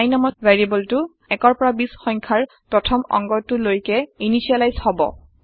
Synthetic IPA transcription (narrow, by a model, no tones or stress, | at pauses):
ajnɔmɔveɹibɔltʊ | ɛkɔɹpɔɹabisxɔŋkʰaɹ | pɹɔtʰɔmɔ̰ŋɡɔtʊlojkɛinisialajzhɔbɔ̰